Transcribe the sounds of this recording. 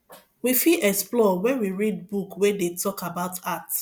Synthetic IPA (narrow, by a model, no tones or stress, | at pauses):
wifiʔɛksplɔwɛ̃nwiɹid̚bukwedetʰɔkabaʊtʰat